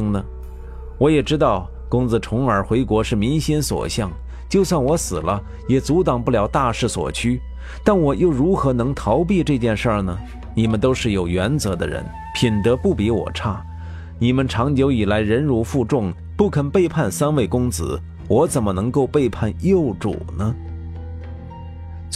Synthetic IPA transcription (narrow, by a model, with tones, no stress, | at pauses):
ŋnə˩ | wɔ˧˥jɛ˨˩ʈ͡ʂɻ̩˥t̪ɑ˥˩ʊ | kʊ˥ŋd͡zɹ̩˧˩ʈ͡ʂʰʊ˧˥ŋə˞˨˥xwe˧˥ɪkwɔ˧˥ʂɻ̩˥˩mi˧˥nɕɛ˥nswɔ̰˨˩ɕjɑ˥˩ŋ | t͡ɕjo˥˧ʊswɑ˥˩ŋwɔ˧˥sɹ̩˨˩lə˦ | jɛ˨˩t͡su˧˥t̪ɑ˨˩ŋpu˥˩ljɑ˧˥ʊt̪a˥˧ʂɻ̩˥˩swɔ̰˨˩t͡ɕʰy˥ | t̪a˥˩nwɔ˨˩jo˥˩ʊɻu˧˥xɤ˧˥nɤ˧˥ŋt̪ʰɑ˧˥ʊp̬i˥˧ʈ͡ʂɤ˥˧t͡ɕjɛ˥˧nʂə˞˥˩nə˩ | ni˨˩mə˦nt̪o˥ʊʂɻ̩˥˩jo˨˩ʊɥɛ˧˥nt͡sɤ˧˥d̪ə̰˧ɻə̰˧˥n | pʰi˨˩nt̪ɤ˧˥pu˥˩pi˧˥wɔ̰˨˩ʈ͡ʂʰa˥˩ | ni˨˩mə˦nʈ͡ʂʰɑ˧˥ŋt͡ɕjo˧˥ʊi˨˩la˧˥ɪɻə˧˥nɻu˧˥fu˥˧ʈ͡ʂʊ˥˩ŋ | pu˥˩kʰə˨˩npe˥˧ɪpʰa˥˩nsa˥nwe˥˩ɪkʊ˥ŋt͡sɹ̩̰˧˩ | wɔ˧˥t͡sə˨˩nmə˦nɤ˧˥ŋko˥˧ʊpe˥˧ɪpʰa˥˧njo˥˩ʊʈ͡ʂṵ˨˩nə˦